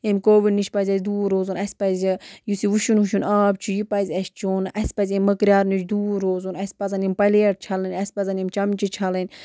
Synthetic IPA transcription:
emʲkoːʋiɖniʃpɐzʲɐzʲd̪uːɾoːzunɐsʲpɐzʲijusiʋuʃunɦuʃunaːb̚t͡ʃʰijipɐzʲɐst͡ʃunɐsʲpɐzʲemʲmːɐkɾʲaːɾnut͡ʃʰd̪uːɾoːzunɐsʲpɐzɐnimʲpɐleːʈ̚t͡ʃʰɐlɐnʲɐsʲpɐzɐnimʲt͡ʃɐmt͡ʃit͡ʃʰɐlɐnʲ

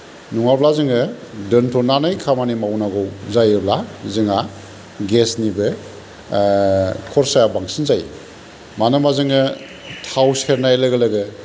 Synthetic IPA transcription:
nuŋablazɯŋɯdɯntʰɔnanɯjkʰamanimawnaɡɔwzajɯblazɯŋa | ɡesnibɯ | kʰɔɾsajabaŋsinzaj | manɯmazɯŋɯ | tʰawseɾnajlɯɡɯlɯɡɯ

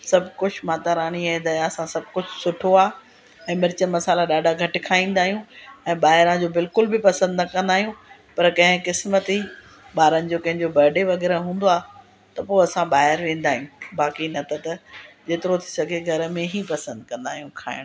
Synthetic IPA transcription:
sɐbʱkʊd͡ʑʰʱmaːt̪aɾaːɽ̃iɛ̃d̪ɐɐsãsɐb̚ʱkʊd͡ʑʱsʊʈʰoaː | ɛ̃ːmɪɾɪt͡ɕənmɐsaːlaɗaːɖʱaɡʱɐʈɪ̆kʰaːĩːn̆d̪aːɦijũɛ̃ːɓaːɦɪɾãd͡ʑoːbɪlkʊlbɪpɐsə̃nd̪nɐkɐ̃nd̪aːɦijũ | pɐɾkɐ̃ɦɪ̃kɪsmət̪i | ɓaːɾənɪ̆d͡ʑoːkɐ̃ɦɪ̃ɲd͡ʑobɐɾɖeʋɐɣɛːɾəɦũːn̆d̪oaː | t̪ɐpoːɐsãɓaːɦɪɾʋẽːn̆d̪aːɦijũbaːkinɐt̪ʰɐt̪ɐd͡ʑeːt̪ɪɾot̪ʰi̥sɐɡʱeɡʱɐɾ̆mẽɦipɐsə̃nd̪kɐ̃nd̪a̰ːɦijũkʰa̰ːɪɽ̃

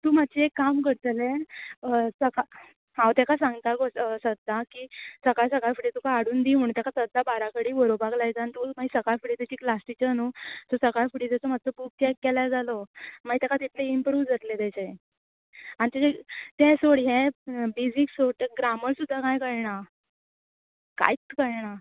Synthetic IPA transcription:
t̪uːmad̪t͡ɕeekːamkəɾt̪le | səka | ɦãwt̪ɛkasãŋɡt̪aɡot͡ssəd̪ʱːakiːsəkajs̬əkajfuʈit̪ukaaɽuːnd̪iɦuːɳt̪jakasəd̪ʱːabaɾakəɽiːʋəɾobaɡlajd͡zant̪umaisəkajfuʈit̪ɛt͡ɕiːklasʈit͡ɕənut̪osəkajfuʈit̪at͡sɔmat̪ːt̪əpuk̚t͡ɕɛkkːɛlad͡zalɔmaɡit̪ɛkat̪it̪ʰleimpɾuːʋd͡zat̪let̪ɛt͡ɕe | añit̪eet̪ɛ̃soɽɦẽbed͡ziksoʈ̪ẽɡɾaməɾsud̪ʱːakajkəɭɳa | ka̰jt͡skəɭɳa

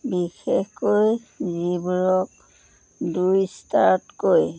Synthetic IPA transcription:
bixexkojzibuɹɔk̚ | dujstaɹtkoj

